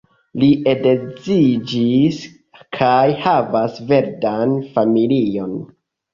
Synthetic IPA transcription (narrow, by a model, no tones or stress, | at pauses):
liʔe̞dezid͡ʒis | kʰajhavasve̞ɾdanfamilio̞n